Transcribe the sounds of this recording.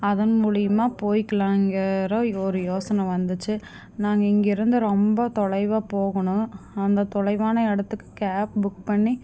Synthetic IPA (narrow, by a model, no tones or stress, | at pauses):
ɐðɐnmuːɭɪjɯmaːpoːjɪkːɐlãːɪŋɡɐɾɐɔɾɯjoːsɐnɐ̃ʋɐnd̪ɯt͡ʃːɯ | naːŋɡɐɪŋɡɪɾɯnd̪ɯɾɔmbɐt̪ɔɭɐɪʋaːpoːɣɐɳʊ̃ɐnd̪ɐt̪ɔɭɐɪʋaːnɐɛɽɐt̪ːɯkːɯ̥kaːp̚bʊk̚pɐɳːi